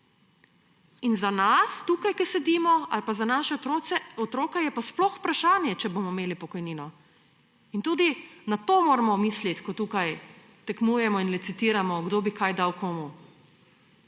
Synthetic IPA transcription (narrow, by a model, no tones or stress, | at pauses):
inzanast̪uːkajkɛsɛd̪iːmɔalpazanaːʃɛot̪ɾoɛɔt̪ɾoːkajɛpasplɔxpɾaʃaːnjɛt͡ʃɛbomɔimeːlipɔkɔjniːnɔ | int̪uːd̪inat̪oːmoːɾɛmɔmislit̪kɔt̪uːkaj | t̪ɛknuːjɛmɔinlɛt̪sit̪iːɾamɔɡd̪oːbikajd̪awkoːmu